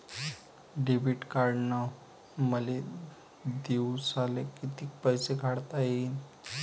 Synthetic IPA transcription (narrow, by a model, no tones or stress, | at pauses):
ɖebiʈkaɾɽnə | məle | d̪esalekit̪iːk̚pəjseɡʱaɽt̪aji